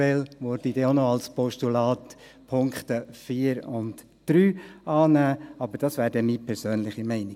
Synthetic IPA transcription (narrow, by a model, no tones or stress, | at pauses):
ɛlʋoɾd̥idɛonoɑlspʰɔʃtulɑːt | pʰʊŋkχtəfiːəɾʊnt | d̥ɾyːɑːnæːɑbəɾd̥ɑsʋæːɾdɛmiːpʰɛɾsøːnlɪχimɛɪnɪ